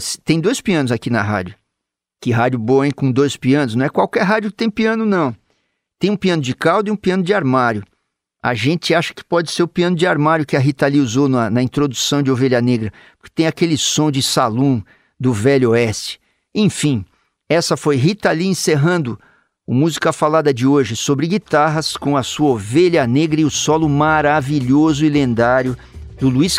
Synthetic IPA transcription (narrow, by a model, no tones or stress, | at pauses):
st̪ẽj̃d̪ojspiɐ̃nʊzakinɐɦa̰d͡ʒʊ | kɪɦad͡ʒʊboɐĩkõd̪ojspiɐ̃nʊznɐ̃w̃ɛkwawkɛɾɦad͡ʒʊkɪ̥t̪ẽj̃piɐ̃nʊnɐ̃w̃ | t̪ẽj̃ũpiɐ̃nʊd͡ʒɪkawd̪iũpiɐ̃nʊd͡ʒɪaɾmaɾjʊ | a̰ʒẽnt͡ʃɪaʃɐ̥kɪ̥pɔd͡ʒɪseɾʊpiɐ̃nʊd͡ʒɪaɾmaɾjʊkɪɐɦit̪aliuzonɐnɐĩnt̪ɾod̪usɐ̃w̃d͡ʒɪoveʎɐneɡɾɐ | pʊ̥ɾkɪt̪ẽj̃akelɪsõd͡ʒɪsalũ | d̪ʊvɛʎoɛst͡ʃɪ̥ | ẽfĩ | ɛsɐfojɦit̪ɐliẽseɦɐ̃nd̪ʊ | ʊmuzikɐfalad̪ɐd͡ʒɪoʒɪsobɾɪɡit̪aɦɐskõɐsuɐoveʎɐneɡɾɐɪʊsɔlʊmaɾaviʎozʊilẽnd̪aɾjʊ | d̪ʊluis